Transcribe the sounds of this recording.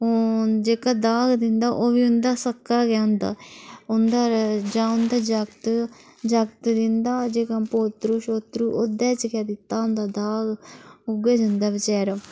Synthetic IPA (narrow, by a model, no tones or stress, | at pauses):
od͡ʒeːkaːd̪aːɡd̪ɪnd̪aːʔoːʋiːʊnd̪aːsəkːaːɡjaːʊnd̪a̰ːʊnd̪aːd͡ʒãːʊnd̪aːd͡ʒəkt̪ | d͡ʒəkt̪d̪ɪnd̪aːd͡ʒeːkãpoːt̪ɾuːʃoːt̪ɾuːʔoːd̪ɛːt͡ʃkaːd̪ɪt̪ːaːʊnd̪aːd̪aːɡʊɡeːd͡ʒənd̪aːbət͡ʃɛːɾaː